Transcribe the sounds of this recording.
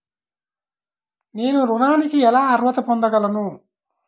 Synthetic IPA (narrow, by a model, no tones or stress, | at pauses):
ne̞ːnuɾunaːnikiɛlaːɐɾʋɐt̪ɐpond̪ɐɡɐlɐnu